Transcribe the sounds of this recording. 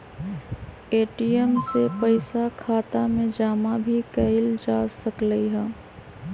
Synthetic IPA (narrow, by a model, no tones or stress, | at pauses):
eːʈiɛmsepəɪsakʰaːt̪amẽd͡ʒaːmabʱikəɪld͡ʒaːsəkləiɦɛ̃ː